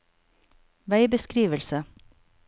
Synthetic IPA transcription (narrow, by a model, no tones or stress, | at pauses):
ʋæɪbəskɾiːʋəlsə